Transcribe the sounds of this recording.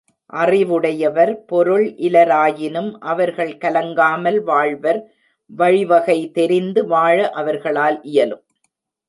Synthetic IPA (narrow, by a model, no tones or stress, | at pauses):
ʔɐrɪʋɯɽɐjɐʋɐɾpɔɾɯɭʔɪlɐɾaːjɪnɯmʔɐʋɐɾɣɐɭkɐlɐŋɡaːmɐlʋaːɭʋɐɾ | ʋɐɻɪʋɐɣɐɪt̪ɛɾɪnd̪ɯʋaːɻɐʔɐʋɐɾɣɐɭaːlʔɪjɐlɯm